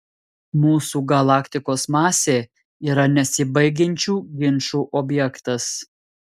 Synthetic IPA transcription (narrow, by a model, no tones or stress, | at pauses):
muːsuːɡɐlˠɑːkʲt̪ʲɪkoːsmɑːsʲeː | iːɾɐnʲɛsʲɪbɐɪɡʲɛnʲt͡ʃʲuːɡʲɪnʃuːʔoːbʲjɛkt̪ɐs